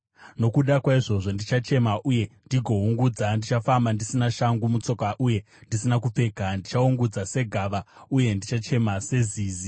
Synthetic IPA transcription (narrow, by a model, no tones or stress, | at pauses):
no̞kuɗakwaiʐo̞ʐo̞ndit͡ʃat͡ʃe̞maʔuje̞ndiɡʱo̞uŋɡud͡zandit͡ʃafambandisinaʃaŋɡumut͡so̞kaʔuje̞ | ndisinak̬up͡fe̞ɡʱandit͡ʃauŋɡud͡zase̞ɡʱaʋauje̞ndit͡ʃat͡ʃe̞mase̞ziːzi